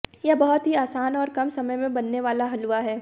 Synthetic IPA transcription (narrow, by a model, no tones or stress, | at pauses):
jɛbɐɦʊt̪ɦiaːsaːnɔːɾkɐmsɐməjmẽbɐnːeʋaːlaɦɐluaɦɛː